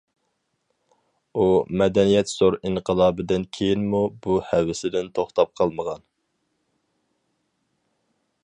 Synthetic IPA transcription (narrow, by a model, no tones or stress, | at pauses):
umɛd̪ɛnijɛt̪z̥oɾiɴqʰəlˠɑːbɪd̪ɪnkʲʰejinmubuhɛwɪsɪd̪ɪnt̪ʰoχt̪ʰɑp̚qʰɑlˠməʁɑn